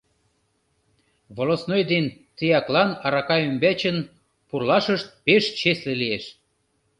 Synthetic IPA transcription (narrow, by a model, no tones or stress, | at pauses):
βolosnojd̪ent̪ijɑklɑnɑɾɑkɑymbæt͡ɕən | purlɑʃəʃt̪̚peʃt͡ɕeslĕlieʃ